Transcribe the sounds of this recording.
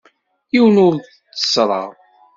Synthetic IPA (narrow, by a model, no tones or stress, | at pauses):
iwənʊɾθ | t͡sːə̥sɾˤɑ̰ʁ